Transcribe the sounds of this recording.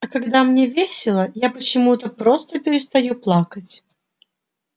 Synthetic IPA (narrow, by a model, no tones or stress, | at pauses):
ɐkaɡd̪amnʲevʲesʲɪlˠəjapət͡ɕɪmut̪əpɾost̪əpʲɪɾʲɪst̪ɐjuplˠakət͡sʲ